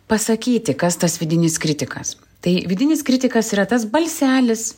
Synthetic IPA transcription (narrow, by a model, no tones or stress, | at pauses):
pɐsɐkʲiːt̪ʲɪkɐst̪ɐsʋʲɪd̪ʲɪnʲɪskɾʲɪt̪ʲɪkɐs | t̪ɐɪʋʲɪd̪ʲɪnʲɪskɾʲɪt̪ʲɪkɐsiːɾɐt̪ɐs̬bɐlʲsʲæːlʲɪs